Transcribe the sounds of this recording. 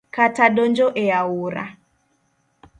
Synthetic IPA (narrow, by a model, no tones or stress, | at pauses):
kataɗond͡ʒoʔeawuɾa̰